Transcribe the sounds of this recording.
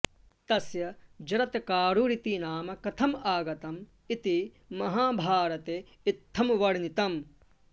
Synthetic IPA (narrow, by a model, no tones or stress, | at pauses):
t̪ɐsjɐd͡ʒɐɾɐt̪kaːɾuɾit̪inaːmɐkɐt̪ʰɐmaːɡɐt̪ɐm | it̪i | mɐɦaːbʱaːɾɐt̪eː | it̪ʰːɐmʋɐɽnit̪ɐm